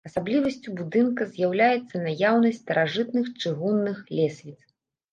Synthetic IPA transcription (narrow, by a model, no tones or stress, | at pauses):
ɐsablʲivɐsʲt͡sʲubud̪ɨnkɐzʲjawlʲajɛt̪sːɐnajawnɐsʲtʲt̪ɐɾʔaʐɨt̪̚nɨxt͡ʂɨɣunːɨxlʲɛsʲvʲit̪s